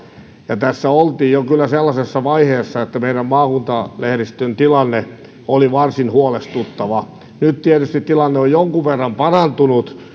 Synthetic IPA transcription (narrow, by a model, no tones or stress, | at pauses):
jɑt̪æsːæolt̪iːjjokylːæselːɑsesːɑʋɑiheːsːɑet̪ːæmeiɾæmmɑːkunt̪ɑlehrist̪ønt̪ilɑnːe | oliʋɑrsinhuolest̪ut̪ːɑʋɑ | nytt̪iet̪yst̪it̪t̪ilɑnːeojjoŋkuʋʋerːɑmpɑrɑnt̪unut̪